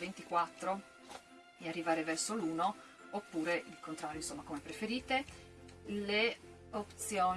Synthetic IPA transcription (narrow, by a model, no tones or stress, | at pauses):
vent̪ikwat̪ːɾo | earːivaːɾevɛrsoluːno | opːuːɾeilkont̪ɾaːɾjoinsomːakomepɾefeɾiːt̪e | le | opt̪sjoː